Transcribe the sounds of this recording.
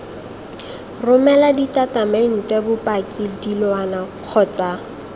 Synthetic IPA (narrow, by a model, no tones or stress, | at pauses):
rʊmɛladitatameŋ̩tɛbʊpakʼildilwanaq͡χʰɔt͡sa